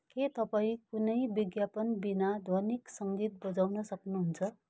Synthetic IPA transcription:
ket̪ʌpaĩkunʌjbiɡjapʌnbinad̪ʱʌniksʌŋɡit̪̚bʌd͡zawnʌsʌknuɦunt͡sʰʌ

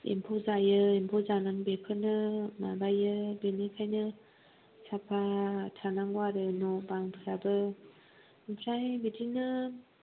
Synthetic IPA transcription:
ḛmpʰozajɯempʰɔzanaŋbepʰɯnɯmabajɯbenikʰajnɯ | sapʰatʰanaŋɡwaɾɯnɔbaŋpʰɯɾabɯ | pʰɾajbidinɯ

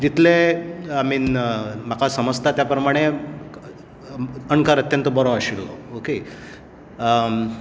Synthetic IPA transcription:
d͡ʑit̪ʰleamiːm̤akʰasəməd͡zt̪ʰat̪japɾəmaɽ̃e | ənkaɾət̪jənt̪əbɔɾoaɕiɽlɔ̰oke

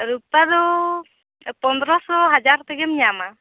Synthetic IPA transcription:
ɾupad̪ɔ | pɔnd̪ɾɔsɔɦad͡ʒaɾt̪ɛɡɛmiɲama

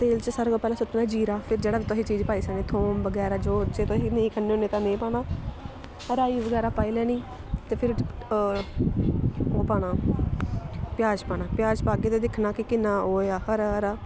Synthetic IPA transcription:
t̪eːlt͡ʃsəɾɡaːpɛːlãːsʊʈːnãːd͡ʒiːɾaːpʰɪɾd͡ʒeːɽaːbiːt̪ɔːɦiːt͡ʃiːd͡ʒpaːiːsəẽːt̪ʰoːmʋəɡɛːɾaːd͡ʒoːt͡ʃeːt̪oɦineĩːkʰənːeːoːneːt̪ãːnẽːpaːɽ̃aː | əɾaːiːʋəɡɛːɾaːpaːiːlɛːnĩː | t̪eːpʰɪɾ | oːpaːɽaː | pɪjaːd͡ʒpaːɽaːpɪjaːd͡ʒpaːɡeːt̪eːd̪ɪkʰnaːkɪkɪnãːoːjaːhəɾaɾaː

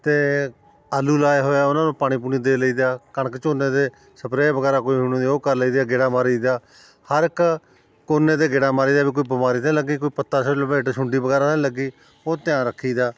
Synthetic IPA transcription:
t̪eː | aːluːlaːeːɦoːjaːʊnãːnũːpaːɽ̃iːp̬uːniːd̪eːləiːd̪aːkəɳəkt͡ʃoːneːd̪eː | səpɾeːbəɡɛːɾaːkoːiːɦʊniːd̪ːoːkəɾləiːd̪aːɡɪɽaːmaːɾiːd̪aː | həɾɪk | koːnːeːd̪eːɡɪɽaːmaːɾiːd̪aːbiːkoːiːbɪmaːɾiːt̪ːləɡiːkoːiːpət̪ːaːsolbeːʈʃʊɳɖiːbəɡɛːɾaːt̪ːləɡiː | oːt̪ɪjãːɾəkʰːiːd̪aː

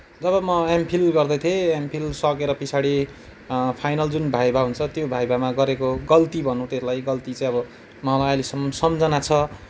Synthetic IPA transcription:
d͡zʌβʌmʌampʰilɡʌrd̪ʌt̪ʰeampʰilsʌkeɾʌpisʰaɽi | pʰajnʌld͡zunbʱajbaɦunt͡sʰʌt̪jobʱajbamaɡʌɾekoɡʌlt̪ibʱʌnũt̪elajɡʌlt̪it͡sʌ̃j̃ʌbʌ | mʌlajʌjlesʌmsʌmd͡zʌnat͡sʰʌ

